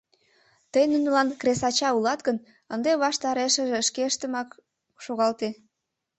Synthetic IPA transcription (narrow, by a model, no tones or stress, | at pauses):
t̪əjnunəlɑnkɾesɑt͡ɕɑulɑt̪ɡən | ənd̪eβɑʃt̪ɑɾeʃəʒeʃkeəʃt̪əmɑk | ʃoɣɑlt̪e